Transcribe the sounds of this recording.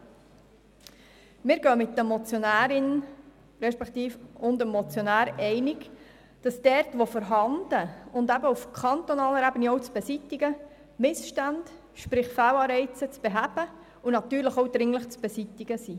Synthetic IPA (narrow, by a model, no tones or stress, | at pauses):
mɪːɾɡœːmɪtːəmɔt͡sjonæːɾɪn | ɾɛʃpɛkt̪iːfʊndəmːɔt͡sjonæːɾɛɪnɪɡ | d̥ɑsd̥ɛɾtʋofəɾɦɑndəʊndæbəufkʰχɑnt̪onɑːləɾæbəniɔwt͡sb̥ɛsitːɪɡə | mɪsʃtænd̥ | ʃpɾɪχfæwɑːɾɛɪt͡sət͡sb̥eɦæb̥ə | unɑt̪yːɾləχowdɾɪŋləχt͡sb̥ɛsit̪ɪɡ̥əsi